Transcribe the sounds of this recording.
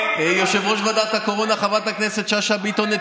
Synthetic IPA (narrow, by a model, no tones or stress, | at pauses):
joʃevʁoʃvad̪at̪hakoʁonaχavat̪akneset̪ʃaʃabit̪one